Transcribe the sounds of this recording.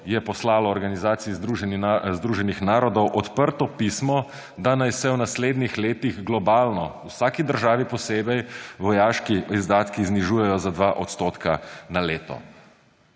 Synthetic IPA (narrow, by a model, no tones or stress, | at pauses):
jɛpɔslaːlɔːɾɡanizaːt̪siizd̪ɾuʒnzd̪ɾuːʒɛnixnaːɾɔd̪ɔwʔɔt̪pəɾt̪ɔpismɔ | d̪anajsɛwnasleːd̪nixleːt̪iɣɡlɔbaːlnɔwsaːkid̪əɾʒaːʋipɔseːbɛjʋɔjaːʃkiizd̪aːt̪kizniʒuːjɛjɔzad̪ʋaʔɔt̪st̪oːt̪kanaleːt̪ɔ̰